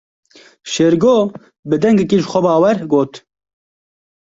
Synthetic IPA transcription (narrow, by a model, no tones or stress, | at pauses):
ʃeːɾɡoː | bɨd̪ɛŋɡɛkiʒxʷɛbɑːwɛɾɡoːt̪